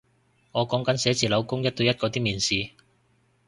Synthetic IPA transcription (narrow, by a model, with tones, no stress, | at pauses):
ŋɔː˨˧kɔː˨˥ŋkɐ˨˥nsɛː˨˥t͡siː˨˩lɐ˨˧wkʊ˥ŋjɐ˥t̚t̪ɵ˧jɐ˥t̚kɔː˧t̪iː˥miː˨˩nsiː˨˧